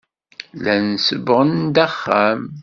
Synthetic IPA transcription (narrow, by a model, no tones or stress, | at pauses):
lænsəbʁənd̪æχːæm